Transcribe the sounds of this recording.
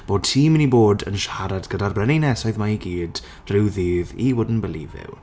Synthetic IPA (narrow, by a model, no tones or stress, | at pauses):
b̥oːd̚tʰiːmniboːdə̰nʃaɾadɡədarbrɛninɛsɔɨðmaiɡiːd | rɪwðiːðiwʊdn̩bəlḭvɪ̰w